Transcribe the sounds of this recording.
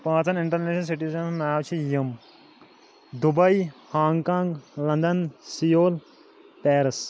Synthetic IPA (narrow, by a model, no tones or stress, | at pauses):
pãːt͡sɐnɪɳʈɐɾneːʃɐls̬iʈiːzɐnnaːwt͡ʃʰijɐm | d̪ubɐjhaːŋɡkãːŋɡlɐ̃nd̪ɐnsijoːl | pɛːɾɐs